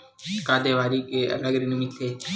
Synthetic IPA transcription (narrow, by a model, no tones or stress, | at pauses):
kaːd̪eʋaːɾikeɐ̰ləɡɾenumɪt̪ʰeː